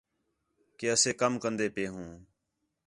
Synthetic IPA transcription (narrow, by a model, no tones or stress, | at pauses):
keːəseːkəmkənd̪eːpeːɦũː